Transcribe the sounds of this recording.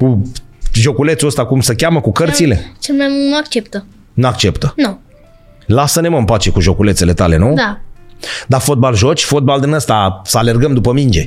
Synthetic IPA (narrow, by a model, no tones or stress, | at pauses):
kuʒo̞kule̞t̪suəst̪akumsəkʲaməkukəɾrt̪silet͡ʃelmajmunuak̚t͡ʃep̚t̪ə | nuakt͡ʃe̞pt̪ənu | lasəneməmpat͡ʃe̞kuʒo̞kulet̪se̞le̞t̪ale̞nud̪a | d̪afo̞t̪̚balʒo̞t͡ʃʲfo̞t̪̚bald̪ɨnəst̪asəale̞rɡəmd̪upəmind͡ʒe̞